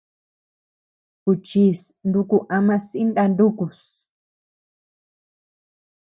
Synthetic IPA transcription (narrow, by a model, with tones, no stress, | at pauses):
ku˨t͡ʃi˦snd̪u˦ku˨ʔa˦mã˧si˦nɗa˧nd̪u˦ku˨s